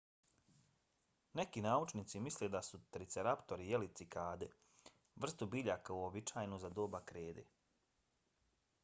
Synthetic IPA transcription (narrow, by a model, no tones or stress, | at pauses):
nekinaːut͡ʃnit̪simisled̪asut̪ɾit̪seɾapt̪o̞ɾijelit̪sikʰaːd̪e | ʋr̩st̪ubiʎakauobit͡ʃaːjnuzad̪oːbakɾeːd̪ḛ